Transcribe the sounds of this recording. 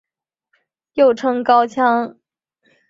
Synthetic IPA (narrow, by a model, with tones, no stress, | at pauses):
jo˥˩ʊʈ͡ʂʰɤ˧˥ŋkɑ˥ʊt͡ɕʰjɑ˥ŋ